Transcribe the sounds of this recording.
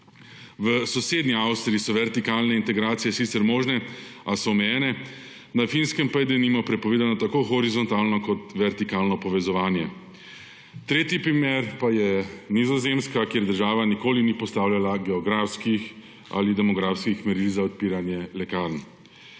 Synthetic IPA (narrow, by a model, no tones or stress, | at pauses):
ʋəsɔseːd̪niawst̪ɾiisɔʋɛɾt̪ikaːlnɛint̪ɛɡɾaːt̪sijɛsit̪sɛɾmɔːʒnɛasɔɔmɛjɛːnɛ | nafinskɛmpajd̪ɛnimɔpɾɛpɔʋeːd̪anɔt̪akoxɔɾizɔnt̪alnɔkɔt̪ʋɛɾt̪ikaːlnɔpɔʋɛzɔʋaːnjɛ | t̪ɾeːt̪ipɾimeɾpajɛnizɔzemskakjeːɾd̪əɾʒaːʋanikoːlinipɔst̪aːwlʲjalaɡɛɔɡɾaːfskix | a̰lid̪ɛmɔɡɾaːfskixmɛɾilzaɔt̪̚piːɾanjɛlɛkaɾn